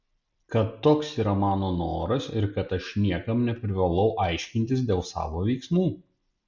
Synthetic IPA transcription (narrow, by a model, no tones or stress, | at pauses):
kɐt̪ːoːksiːɾɐmɑːnoːnoːɾɐsɪɾkɐt̪ɐʃnʲiɛkɐmnʲɛpʲɾʲɪʋɐlˠɒʊʔɑˑɪʃʲkʲɪnʲt̪ʲɪsd̪ʲeːlˠsɑ̰ːʋoːʋʲɛɪksmuː